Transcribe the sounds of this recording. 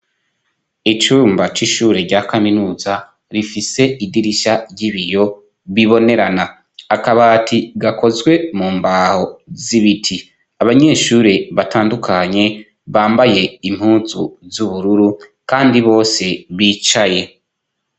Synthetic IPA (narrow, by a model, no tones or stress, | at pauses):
it͡ʃuːmbat͡ʃiʃuːɾe̞ɾɟaːkaminuːza | ɾifise̞idiɾiʃaɾɟiβijo̞ | βiβo̞ne̞ɾanaː | kaβaːtʰiɡako̞zɡwe̞muːmbaːho̞ziβitʰi | aβaɲe̞ːʃuːɾe̞βataːndukʰaɲe̞ | βaːmbaje̞im̥huːzuzuβuɾuɾukaːndiβo̞ːse̞βiːt͡ʃaje̞